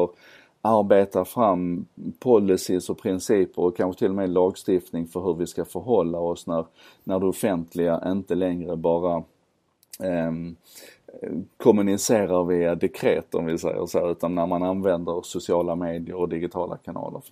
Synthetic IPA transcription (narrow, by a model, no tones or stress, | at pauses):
ɔɾ | aɾbeːt̪afɾamːpʰɔlːɪsɪsɔpʰɾɪnsiːpəɾɔkʰːanɧət̪ʰɪlːɔmɛːlɑːɡst̪ɪft̪nɪŋfœɾɦɵɾvɪskafœɾɦɔlːaɔsnæɾ | næɖɵɔfɛnt̪ʰlɪɡaʔɪnt̪əlɛŋɾəbɑːɾa | kʰʊmɵnɪseːɾaɾviːad̪ɛkʰɾeːt̪ɔmvɪsɛ̰jə̰ʂɛjʉ̟ːt̪anːæɾmananvɛnd̪əɾsʊsɪɑːlameːd̪ɪəɾɔd̪ɪɡɪt̪ʰɑːlʔa̰kʰanɑ̰ːlə̰ɾ